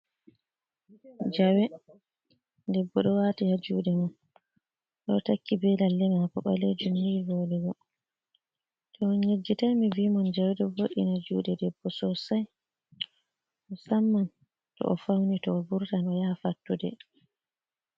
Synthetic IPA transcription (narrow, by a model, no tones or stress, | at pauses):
d͡ʒawɛ | dɛbːɔɗɔwaːtihad͡ʒuːɗɛman | ɗɔtakːibɛlalːɛmaapɔɓa̰led͡ʒumhiɡoːlɛɡɔ | tʰɔɲed͡ʒːitamivimɔnd͡ʒawɛɗɔboɗinad͡ʒuːɗɛdɛbːɔsɔsaj | mɔsamːan | tɔ̰ʔɔfawnitɔːbuɾtanɔjafatːudɛ̰